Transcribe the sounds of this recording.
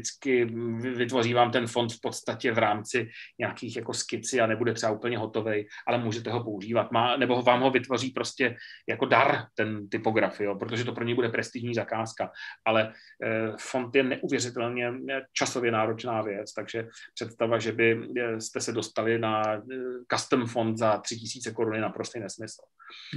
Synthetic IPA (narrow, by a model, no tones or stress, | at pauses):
t͡skɪvɪt̪vo̞riːvaːmt̪ɛnfo̞nt̪fpo̞t̪st̪acɛvɾaːmt͡sɪɲakiːxjako̞skɪt͡sɪanɛbudɛt̪r̥ɛbaupl̩ɲɛɦot̪o̞vɛjʔalɛmuːʒɛt̪̬ɛɦo̞po̞uʒiːvat̪maːnɛbo̞ɦvaːmɦo̞vɪt̪vo̞riːpɾo̞scɛjako̞daɾt̪ɛnt̪ɪpo̞ɡɾafjopɾot̪oʒɛt̪̬o̞pɾoɲɛjbudɛpɾɛst̪ɪʒɲiːzakaːskaʔalɛ | fo̞nt̪jɛnɛʔuvjɛrɪt̪ɛlɲɛt͡ʃaso̞vjɛnaːɾo̞t͡ʃnaːvjɛt͡st̪aɡʒɛpr̥ɛt̪st̪avaʒɛbɪst̪ɛsɛdo̞st̪alɪna | kast̪əmfo̞nt̪zat̪r̥ɪcɪsiːt͡sɛko̞ɾunɪnapɾo̞st̪ejnɛsmɪsl̩